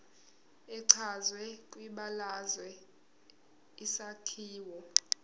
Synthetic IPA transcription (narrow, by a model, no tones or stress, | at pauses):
ɛǀʰazwɛkʼwiɓalazwɛ | isakʰiːwɔ